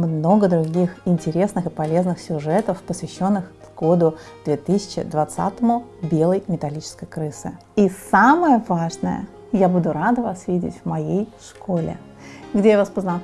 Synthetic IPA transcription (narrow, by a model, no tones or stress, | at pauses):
mno̞ɡəd̪ɾʊɡʲixɪnʲtʲɪɾʲe̞snɨxɨpɐlʲe̞znɨxsʲʊʐɛt̪əfpəsvʲɪɕːo̞nːɨx | ɡo̞d̪ʊ | d̪̥vʲet̪ɨsʲɪ̥t͡ɕɪ̰d̪vɐt̪sa̰t̪əmʊbʲe̞lˠəjmʲɪt̪ɐlʲit͡ɕɪ̥skəjkɾɨsɨ̰ | isaməjəvaʐnə̰jə̰ | jabud̪ʊɾad̪əvasvʲidʲɪ̰tʲvmɐjejʂkʰolʲɪ̰ | ɡdʲejavaspəznɐ